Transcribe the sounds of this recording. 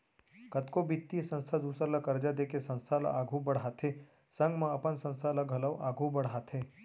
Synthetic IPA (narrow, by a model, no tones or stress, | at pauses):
kət̪kobit̪ːisə̃nst̪ʰad̪uːsɾalakəɾd͡ʒad̪ekʰesə̃nst̪ʰala̰ʔaɡʱũbəɽɦat̪ʰe | sə̃ŋɡmãɐpənsə̃nst̪ʰalaɡʱɐləʋʔaːɡʱũbəɽɦat̪ʰe